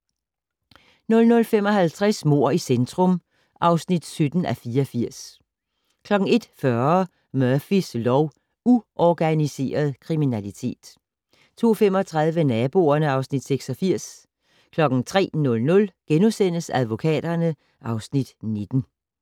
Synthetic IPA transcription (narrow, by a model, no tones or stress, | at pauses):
nɔ̽lnɔ̽lfemɒ̽ɦælt͡sʰʁasmo̝̰ɐ̰isend̥ʁɔ̽m | ʔɑ̈ʊsnid̥sød̥n̩ʔæfiːɐɒfiɐ̰s | kʰlɒ̽ɡ̥ŋ̩e̝d̥fɶɐɐ | mœɐfislɒʊ | uʔɒɡ̥ænise̝̰ːɐð̞ˠkʰʁiminælit͡sʰe̝̰ːd̥ | t͡sʰo̝̰ːfem̰ɒt͡sʰʁað̞ˠʋənɛb̥o̝ːɐnəɑ̈ʊsnid̥seɡ̥sɒ̽fiɐ̰s | kʰlɒ̽ɡ̥n̩t͡sʰʁɛ̰ːnɔ̽lnɔ̽lɡ̥enusen̰əsæð̞ˠʋo̝kʰɛ̰ːd̥ɐnə | ʔɑ̈ʊsnid̥ne̝d̥n̩